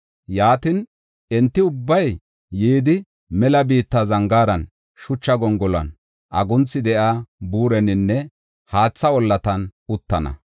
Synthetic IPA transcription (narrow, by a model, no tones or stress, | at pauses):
jaːt̪ɪn | ɛnt̪ːɪʊbːɐj | jiːd̪ɪ | mɛlɐbiːt̪ːɐzɐŋɡaːɾɐn | ʃʊt͡ʃːɐɡɔŋɡɔlɐ̰n | ʔɐɡʊnt͡sːɪd̪ɛʔaːbuːɾɛnɪnːɛ | haːt͡sːɐwɔlːɐt̪ɐnʊt̪ːɐnɐ̰